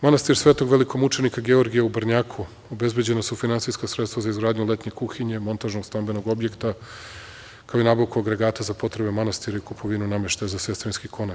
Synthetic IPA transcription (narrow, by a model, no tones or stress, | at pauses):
manast̪iɾsʋet̪oɡʋe̞liko̞mut͡ʃe̞nikaɡe̞o̞ɾɡijeubrɲaːkʰu | o̞be̞zbed͡ʑe̞nasufinansijskasɾe̞t̪st̪vazaizɡɾaːd̪ɲulet̪ɲe̞kuxiɲe̞mo̞nt̪aʒnoɡst̪ambenoɡo̞bje̞kt̪a | kaoinaːbaʋkuaɡɾe̞ɡaːt̪azapo̞t̪ɾe̞be̞manast̪iɾaikupʰo̞ʋinuname̞ʃt̪azasʋest̪ɾinskikʰo̞na